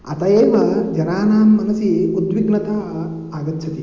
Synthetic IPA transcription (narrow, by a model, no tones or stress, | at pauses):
ɐt̪ɐjeːʋɐd͡ʒɐɾaːnaːmːɐnɐsiud̪ʋiɡnɐt̪aː | aːɡɐt̪t͡ʃʰɐt̪i